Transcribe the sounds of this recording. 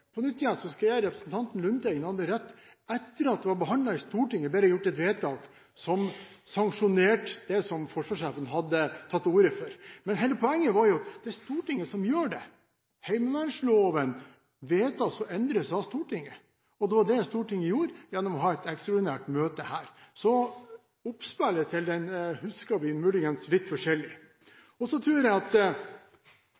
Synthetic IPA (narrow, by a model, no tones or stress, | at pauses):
pʰɔnʏt̪ːɪjɛnsɔskiːɾːɛpɾəsnt̪ʰɑnt̪n̩lʉnt̪ɛɡənhɑd̪ːəɾɛt̪ː | ɛt̪ːəɾɑt̪̚d̪ɛʋɑbəɦɑnd̪lɑɪst̪uːʈɪŋːəbɛɾəjʊʈːɛt̪ʋeːt̪ʰɑːk | sɔm | sɑŋkʂʊneːʈd̪̥ɛsɔmfɔʂʋɑːʂæːfənɦɑd̪ːət̪ʰɑt̪ːuːɾəføːɾmɛnɦɛɪləpʰɔɛŋːəʋɑɾjʊɑt̪d̪ɛæst̪uːʈɪŋːəsɔmjøːɖɛ̰ | hæɪməʋɑnʂloːʋən | ʋeːt̪ɑsɔʔɛnd̪ɾəsɑst̪uːʈɪŋːə | ɔd̪ɛʋɑɖɛst̪uːʈɪŋːɪjuːɾjɛnːɔmɔɦɑːɛt̪ɛkst̪ɾɔɖ̪ɪnæːʈmøːt̪əhæːɾsɔ | ʊpspælːət̪ʰɪld̪ɛnhʉskɑʋɪnmʉːlɪɡənslɪt̪ːfɔʂɛlɪ | ɔsɔt̪ʰɾʉːɾjɛɪɑt̪